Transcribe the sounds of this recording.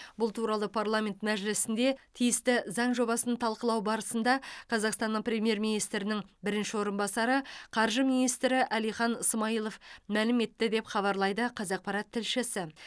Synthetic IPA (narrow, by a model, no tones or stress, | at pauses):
bʊlˠt̪ʰuɾɑlˠəpʰɑrlˠamʲe̞nt̪mæʒlɪsɪnd̪e̞t̪ʰijɪst̪ɪzɑɴʒo̞βɑsənt̪ʰɑlˠqəlˠɑwbɑɾəsənd̪ɑqʰɑzɑqst̪ɑnːəɴpɾʲe̞mije̞ɾmijnijst̪ɾɪnɪŋbɪɾɪnʃɪwo̞ɾənbɑsɑɾəqʰɑɾʒəminijst̪ɾɪʔælijχɑnəsmɑijlˠofmælɪme̞t̪ːɪd̪e̞pχɑβɑɾlˠɑjd̪əqʰɑzɑq̚pɑɾɑt̪ʰːɪlʃɪsɪ